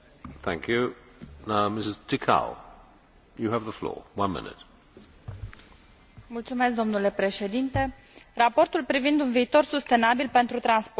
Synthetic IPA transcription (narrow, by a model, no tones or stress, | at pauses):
θæ̰̃ŋkʰjʉ | naʊmɪsɪz̥tʰɪkʰa̰ʊ | jɨəvðəflɔ̰ɹwʌ̃nmɪ̰nɪ̰t̚ | mult̪sume̞s̬k̚d̪o̞mnule̞pɾe̞ʃe̞d̪int̪e̞ | rapo̞rt̪ulpɾivind̪unviːt̪o̞rsust̪e̞nabilpe̞nt̪ɾut̪ɾansp